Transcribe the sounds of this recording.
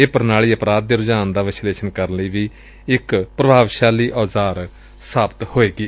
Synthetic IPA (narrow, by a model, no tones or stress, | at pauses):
eːpəɾnaːɭiːəpɾaːd̪̚ːeːɾʊd͡ʒaːnd̪aːʋɪsleːʃənkəɾləiːʋiː | ɪkpɾəbʱaːʋʃaːliːʔaːzaːɾ | saːbət̪hoːeːɡiː